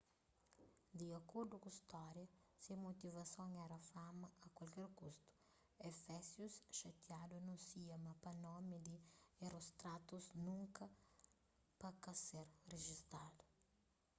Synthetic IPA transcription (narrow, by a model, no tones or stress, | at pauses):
d̪iɐkoɾd̪ʊkuist̪ɔɾjɐsɐmot̪ivɐsõŋɛɾɐfamɐɐkwɐlkɛɾkust̪ʊ̥ | ɛfɛsjusʃɐt̪jad̪unũsiɐmɐpɐnɔmɪd̪ierost̪ɾat̪uznũŋkɐ | pɐkɐseɾreʒist̪ad̪ʊ̥